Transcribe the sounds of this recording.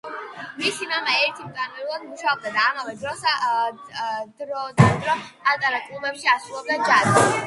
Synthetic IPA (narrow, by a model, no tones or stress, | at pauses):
misimamɛɛɾt̪ʰimt̪ʼanɛɾulˠad̪muʃaɔb̚d̪ad̪aːmavɛd̪ɾɔs | d̪ɾd̪ad̪ɾɔat̪ʼaɾakʼlˠubɛpʃiasɾulˠɔb̚d̪ad͡ʒad̪